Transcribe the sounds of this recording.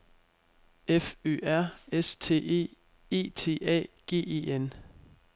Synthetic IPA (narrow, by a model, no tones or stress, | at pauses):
efø̰ːæɐ̰est͡sʰe̝̰ːe̝̰ː | e̝̰ːt͡sʰe̝̰ːʔɛ̰ːɡ̥e̝̰ːe̝̰ːen